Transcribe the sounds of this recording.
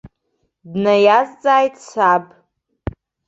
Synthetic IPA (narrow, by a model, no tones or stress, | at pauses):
dnajazd͡zʼaːjtʰʼsabʼ